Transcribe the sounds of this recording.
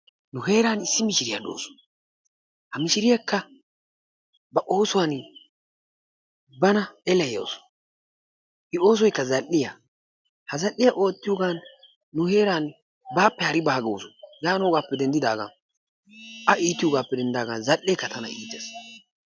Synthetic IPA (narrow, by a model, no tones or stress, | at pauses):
nʊɦe̞ːɾaːnɪsːɪmɪʃɪɾɪjɐdo̰ːsɔ̥ | hɐmɪʃɪɾɪjakːɐ | bɐʔoːsʊwan | bɐnɐɛlɛjɐ̰wsɔ̥ | ʔɪo̞ːs̬ɔjkːɐzɐlʔːɪja | hɐzɐlːɪjɐʔoːt̪ːɪjʊɡaːnː | ʊhe̞ːɾaːn | baːpːɛhɐɾɪbɐhɐɡo̰ːsʊjaːnoːɡaːpːɛd̪ɛnd̪ɪd̪aːɡa̰ | ʔɐʔiːt̪ːɪjʊɡaːpːɛd̪ɛnd̪aːɡɐnzɐlːɛkːɐt̪ʰɐnɐ̰ḭːt̪ːɛs